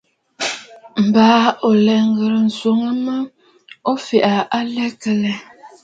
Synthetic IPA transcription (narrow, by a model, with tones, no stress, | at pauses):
m̩˨baː˨˦o˨lɛ˨ŋ˦ɡə˨ɾə˨n̩˨so˨ŋə˦mə˦ | o˦fi˨ʔa˨ʔa˦lɛ˦kə˨lɛ˨